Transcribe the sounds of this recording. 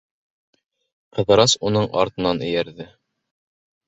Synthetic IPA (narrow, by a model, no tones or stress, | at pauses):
qɤ̆ðɤ̆ɾɑsunɤɴʔɑ̰ɾt̪ɤ̆nɑnɵ̆jæɾðɘ